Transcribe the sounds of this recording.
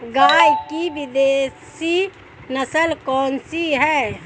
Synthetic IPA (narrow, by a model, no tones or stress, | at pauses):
ɡajkibid̪esi | nəsəlkɔnsiɦɛ